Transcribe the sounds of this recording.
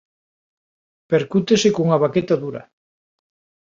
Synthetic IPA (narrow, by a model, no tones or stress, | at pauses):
peɾkut̪esekouŋaβaket̪aðuɾɐ̰